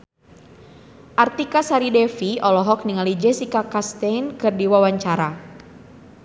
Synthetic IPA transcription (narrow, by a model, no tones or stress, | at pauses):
ʔart̪ikasaɾidɛfiɔlɔɦɔk̚niŋalid͡ʒɛsikakast̪ɛjnkɨrdiwawaɲt͡ʃaɾa